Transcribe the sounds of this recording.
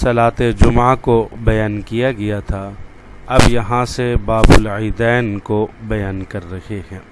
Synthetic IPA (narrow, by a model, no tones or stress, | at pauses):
sɐlaːt̪ed͡ʒʊmakobɐjaːnkijaɡɐjat̪ʰa | ɐbjɐɦãsebaːbʊliːd̪ɛːnkobɐjaːnkɐɾːɐkehɛ̃ː